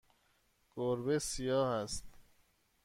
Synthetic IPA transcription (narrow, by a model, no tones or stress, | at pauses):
ɡ̥oɾbesijɒːhæst̪